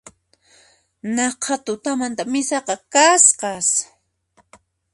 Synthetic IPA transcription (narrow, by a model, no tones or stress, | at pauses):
nɑqʰɑt̪ʊt̪amant̪amɪsɑqɑkasqɑs